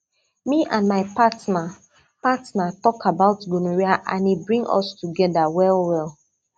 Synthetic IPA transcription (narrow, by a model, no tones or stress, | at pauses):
miʔãnmaɪpatna | patnatɔkabaʊtɡunuɹiaʔã̰nibɹĩŋɔ̰stuɡɛdawɛlwɛlˠ